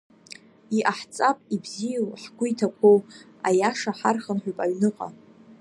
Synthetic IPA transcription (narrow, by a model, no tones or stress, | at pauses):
iʔaħt͡sʼapʼibzijawħɡʷʊjtʰakʷʰow | ajaʂaħarχənħʷᶣapʼaɥnɨqʼa̰